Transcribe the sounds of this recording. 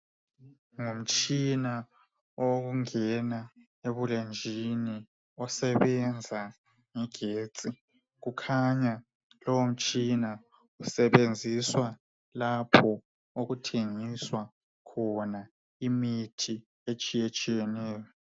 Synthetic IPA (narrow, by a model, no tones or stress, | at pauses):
ŋum̩t͡ʃʼina | oɣuŋɛna | eβulend͡ʒʱini | ɔsɛβɛnd͡zʱa | ŋɛɡ̥ʱeːt͡sʼi | ɣukʰaɲa | lɔwom̩t͡ʃʼina | usɛβend͡zʱiswa | lapʰɔ | oɣutʰeŋiswa | kʰɔna | imitʰi | et͡ʃʼijet͡ʃʼijɛnɛːjɔ